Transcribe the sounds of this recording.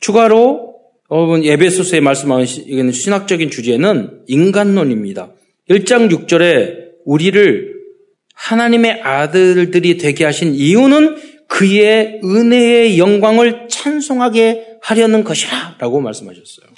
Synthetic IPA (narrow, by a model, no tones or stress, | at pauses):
t͡ɕuɡaɾo | ʌbɯne̞bʰe̞sʰosʰɯe̞maɭs͈ɯmɦaiɡenɕʰinak̚t͡ɕ͈ʌɡint͡ɕud͡ʑienɯniŋɡanːoɲimɲida̰ | iɭt͡ɕ͈aŋjuk̚t͡ɕ͈ʌɾe̞uɾiɾɯɭ | hanaɲime̞ʔadɯɭdɯɾitwe̞ɡeɦaɕʰiniunɯn | kɯje̞ɯne̞ːjʌŋɡwaŋɯɭt͡ɕʰansʰoŋɦaɡe̞haɾjʌnɯnɡʌɕʰiɾaɾaɡomaɭs͈ɯmɦaɕʰʌs͈ʌjo